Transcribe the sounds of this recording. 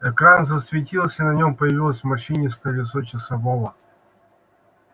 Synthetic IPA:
ɛkɾanzəsvʲɪtʲilˠsʲənɐnʲompəjɪvʲilˠəsʲvmɐʂɨnʲɪst̪ɐvʲɪsot͡ɕɪsɐvovə

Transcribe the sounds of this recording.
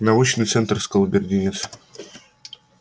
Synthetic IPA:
nɐut͡ɕnɨjt̪sɛnt̪rskəlˠbʲɪrʲdʲinʲɪt̪s

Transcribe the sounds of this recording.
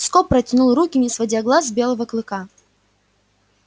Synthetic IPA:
skɔpːɾɐtʲɪnulˠrukʲɪmʲisvɐdʲaɡlˠazbʲelˠəvəklˠɨka

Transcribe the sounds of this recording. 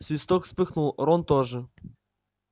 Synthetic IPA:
sʲist̪ɔkspɘxnulˠɾɔnt̪ɔʐɘ

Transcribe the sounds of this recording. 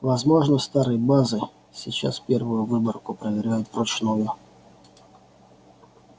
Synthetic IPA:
vɐzmo̞ʐnəst̪aɾɨjbazɨ | sʲɪt͡ɕa̰spʲervʊjʊvɨbərkʊpɾəvʲɪɾʲæjʊt̪pɾɔt͡ɕnujʊ

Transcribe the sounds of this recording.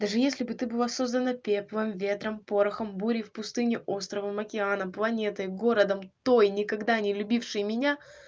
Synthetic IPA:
d̪aʐɨjesʲlʲɪbɨt̪ɨbɨlˠaso̞zd̪ənəpʲepvɨmvʲe̞t̪ɾəmpo̞ɾɐxəmbuɾʲɪfpʊst̪ɨnʲɪʔost̪ɾəvəmɐkʲɪanəplˠɐnʲe̞t̪ɨɡo̞ɾəd̪əmt̪o̞jnʲɪkɐɡd̪anʲɪlʲʊbʲifʂɨjmʲɪnʲa

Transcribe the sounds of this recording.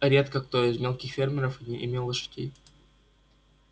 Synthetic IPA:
ɾʲet̪kəkt̪oɪzmʲelˠkʲɪxfʲermʲɪɾəfnʲiʔɪmʲelˠːəʂɨ̥dʲḛj

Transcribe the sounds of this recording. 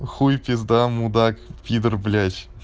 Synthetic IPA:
χujpʲezd̪amud̪ɑkpʲid̪ərblʲat͡ɕ

